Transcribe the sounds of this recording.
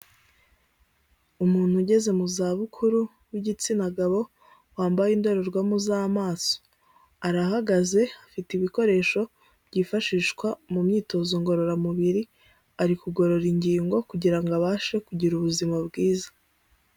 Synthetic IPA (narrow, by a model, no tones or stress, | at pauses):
umuːn̥huɟe̞ze̞muzaːβukʰuɾu | wiɟit͡sinaɡaβo̞ | waːmbajindo̞ɾo̞ɾɡwamuzaːmaːso̥ | aɾahaɡaze̞afitiβiko̞ɾe̞ːʃo̞ | bɟiːfaʃiːʃkwamumɲiːto̞zoŋɡo̞ɾo̞ɾamuβiɾi | aɾikuɡo̞ɾo̞ɾiɲɟiːŋɡo̞kuɟiɾaŋɡaβaːʃe̞kuɟiɾuβuzimabɡiːzḁ